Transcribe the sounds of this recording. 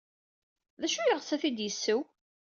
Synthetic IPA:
ðæʃujəʁsæθid̪jəsːəw

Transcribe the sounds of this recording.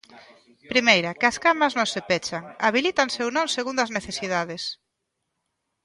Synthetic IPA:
pɾimejɾakɪɐskamɐznõŋsepɛt͡ʃaŋaβilit̪aŋsewnõŋseɣund̪ɐzneθesiðaðes

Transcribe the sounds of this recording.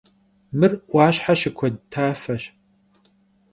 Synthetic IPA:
mɨrwʷaːɕħaʃɪkʷʰɔdtʰaːfɐɕ

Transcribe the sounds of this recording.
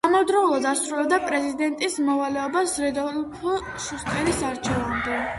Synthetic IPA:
amɔvd̪ɾɔulˠɔd̪asɾulɛb̚d̪apʼɾɛzid̪ɛnt̪ʼismɔvalɛɔbasɾɛd̪ɔlpʰu | ʃusk̪ʼɛɾisaɾt͡ʃʰɛvamd̪ɛ

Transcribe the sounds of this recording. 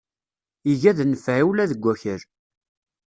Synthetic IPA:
iʝæðnəfʕiwlæðəɡʷːæçəɾ

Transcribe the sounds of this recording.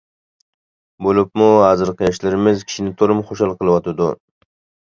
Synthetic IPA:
bolˠɪpmuɦɑzɨɾqʰɨjɑʃlɪɾɪmɪzkʲʰi̥ʃinɪt̪ʰoɾɨmχoʃɑlˠqʰəlˠɨwɑt̪ʰɪd̪ʊ̰

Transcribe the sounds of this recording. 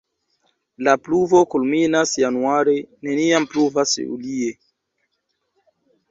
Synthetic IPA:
lapluvokulminasjanuaɾe̞ne̞niampluvasṵlie

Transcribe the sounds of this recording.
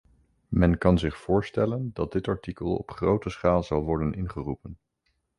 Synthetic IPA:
mɛnkɑnzɪχfʊːɹstɛləndɑd̚dɪtɑɹtikəlˠɔ̰pχrowtəsχaːlˠzɑlˠʋɔɹdənɪnχərupən

